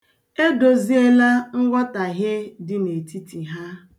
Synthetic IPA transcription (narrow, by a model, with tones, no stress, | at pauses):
e˦do˨zi˦e˦la˦ŋ̩˦ɡʷɔ˦ta˨ɦe˦dɪ˦ne˨ti˦ti˨ɦa˦